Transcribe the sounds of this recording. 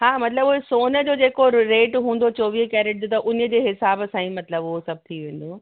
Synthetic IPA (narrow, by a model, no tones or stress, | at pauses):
ɦaːmɐt̪ləbʊɦesoːnəd͡ʑoːd͡ʑeːkoɾeːʈɦũːn̆d̪ot͡ɕoːʋikɛːɾeʈ̚d͡ʑot̪ɐʔʊnə̆d͡ʑeːɦɪsaːbsãːĩmɐt̪ləbʊɦosɐb̚t̪ʰiʋẽːn̆d̪oː